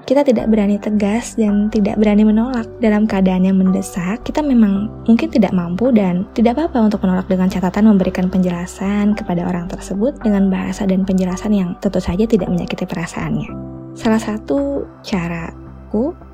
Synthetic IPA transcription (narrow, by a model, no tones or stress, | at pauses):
kit̪at̪ida̰ʔbəɾanit̪əɡasdant̪ida̰ʔbəɾanimənolak̚dalamkəadaːnjaŋməndəsakːit̪amemaŋmuŋkɪnt̪ida̰ʔmampudant̪idaʔbapaunt̪ʊk̚mənolak̚dəŋant͡ʃat̪at̪anməmbəɾikanpəɲd͡ʒəlasankəpadao̰ɾaŋt̪ərsəbʊt̪̚dəŋanbaɦa̰sadanpəɲd͡ʒəlasanjaŋt̪ənt̪ʊsad͡ʒat̪idaʔməɲa̰kit̪ipəɾasa̰ʔa̰nɲasalahsat̪u | t͡ʃaɾa | ku